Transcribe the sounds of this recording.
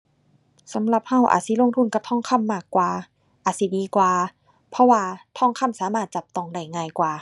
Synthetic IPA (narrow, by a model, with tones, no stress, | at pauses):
sa˨˦mla˧˩p̚ha˧˩wʔa̰ː˨˩t̪̚si˧˦lo˧˨ŋt̪ʰu˧˩˨nka˧˦p̚t̪ʰɔː˧˥˨ŋkʰa˧˥˨mːaː˧˩kːwaː˨ | ʔaː˨˩t̪̚si˧˦diː˧kwaː˨˧ | pʰɔ˧waː˧t̪ʰɔ˧˩˨ŋkʰa˧˥˨msaː˨˦maː˧˩t̪̚t͡ɕa˨˩p̚t̪ɔ˧˩ŋda˧˩jŋaː˧˩˨jkwaː˨˩